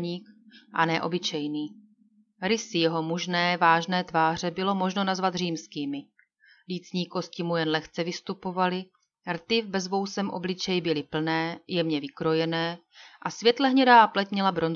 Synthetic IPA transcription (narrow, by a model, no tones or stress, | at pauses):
ɲiːkʔanɛʔo̞̰bɪt͡ʃɛjniː | ɾɪsɪjɛɦo̞muʒnɛːvaːʒnɛːt̪vaːr̝ɛbɪlo̞mo̞ʒno̞nazvat̪r̝iːmskiːmɪ | liːt͡sɲiːko̞scɪmujɛnlɛxt͡sɛvɪst̪upo̞valɪ | rt̪ɪvbɛzvo̞wsɛmʔo̞̰blɪt͡ʃɛjbɪlɪpl̩nɛːjɛmɲɛvɪkɾo̞jɛnɛː | ʔasvjɛt̪lɛɦɲɛdaːplɛcmɲɛlabɾo̞nz